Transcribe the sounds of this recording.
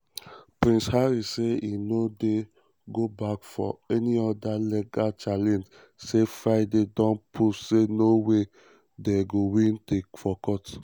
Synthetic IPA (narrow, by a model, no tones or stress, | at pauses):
pɹĩnshaɹiseinode | ɡobakfɔ̰ɛniɔdaleɡat͡ʃalɛ̃nd͡ʒ | sefɹaɪdedɔ̃npʰussenowe | dɛɡowĩntekfɔkɔt